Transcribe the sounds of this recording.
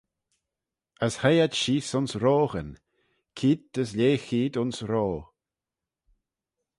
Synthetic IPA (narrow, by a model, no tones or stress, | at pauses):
əshajad̪ʃiːsʊnsɾoːɣən | kʰiːd̪̚dəslʲeːxiːd̪ʊnsɾoː